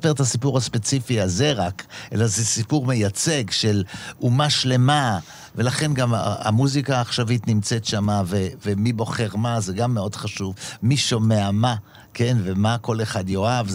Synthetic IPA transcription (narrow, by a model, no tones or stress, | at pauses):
peet̪asipuʁhaspe̞t͡sifiazeʁakʔḛlazesipuʁme̞jat͡seɡʃelumaʃle̞ma | ve̞laχe̞nɡama̰muzikaːχʃavitnimt͡setʃamavevemibo̞χeʁmazeɡamːeo̞dχaʃuvmiʃomeama | ke̞nvemako̞le̞χadjo̞av